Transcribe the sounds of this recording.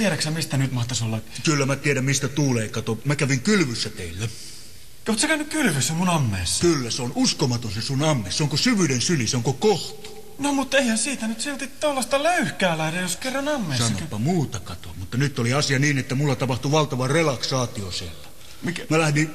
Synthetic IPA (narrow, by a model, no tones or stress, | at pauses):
t̪ieɾæksæmist̪ænyt̪mɑht̪ɑsolːɑkylːæmæt̪ieɾæmmist̪æt̪uːleːˑikɑt̪omækæʋiŋkylʋysːæt̪eˑilːæ | oːt̪sɑkæynːykkylʋysːæmunɑmːeːsːkylːæseonuskomɑt̪onsesunɑmːeːsseoŋkosyʋydensyliseoŋkokoht̪u̥ | nomut̪ːeihænsiːt̪ænyt̪silt̪it̪t̪olːɑst̪ɑløyhkæːlæhdejjoskerːɑnɑmːeːsɑnːopːɑmuːt̪ɑkɑt̪omut̪ːɑnyt̪ːoliɑsiɑniːnet̪ːæmulːɑt̪ɑpɑht̪uʋɑlt̪ɑʋɑrelɑksɑːt̪iosielːæ | mikmælæhdin